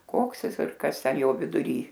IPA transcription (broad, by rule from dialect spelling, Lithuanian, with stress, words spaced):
ˈkoːks ˈjɪs ɪr ˈkɐs ˈtʲɛn ˈjoː ʋʲɪdʊˈrʲiː